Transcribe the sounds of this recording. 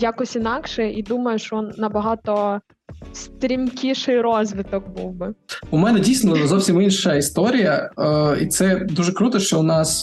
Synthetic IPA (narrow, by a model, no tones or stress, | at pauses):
jakɔsʲinɑkʃɛid̪umɐjʊʃt͡ʃɔɔnːɐbɐɦɑt̪ɔ | st̪ɾʲimkʲiʃɪjɾɔzʋʲɪt̪ɔk̚bṵwbɪʊmɛnɛdʲijsʲnɔzɔwsʲiminʃɐist̪ɔɾʲijɐit̪sɛd̪uʒɛkɾut̪ɔʃt͡ʃɔʊnɑs